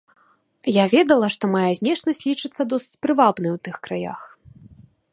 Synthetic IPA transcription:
javʲɛd̪ɐlˠɐʂt̪ɔmajazʲnʲɛʂnɐsʲlʲit͡ʂɨt̪sːɐd̪ɔsɨt͡sʲpɾɨvabnɨwt̪ɨxkɾaja̰x

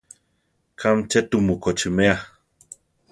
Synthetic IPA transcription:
kʰamt͡ʃet̪umukot͡ʃəmea

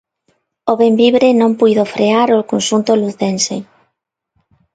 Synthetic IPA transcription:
oβembiβɾenõmpujðofɾeaɾokonʃunt̪oluθense

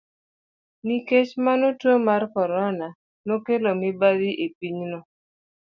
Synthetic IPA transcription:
niket͡ʃmanotwomarkɔɾɔna | nokelomibadiʔepiɲnɔ

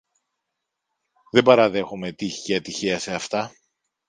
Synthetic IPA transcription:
ðe̞bɐɾɐðe̞xome̞t̪içcɐt̪içiɐse̞ɐft̪ɐ

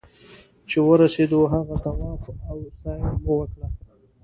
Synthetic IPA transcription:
t͡ʃewəɾased̪oɦaɣat̪awɑːfawsɑjməwəkla

